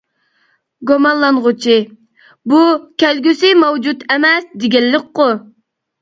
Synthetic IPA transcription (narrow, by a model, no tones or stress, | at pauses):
ɡomɑnlˠɑnʁʊt͡ʃʰi | bukʲælɡʲysɪmɑwd͡ʒut̪emɛsd̪ɪɡʲɛlːɪk̚ʲqʊ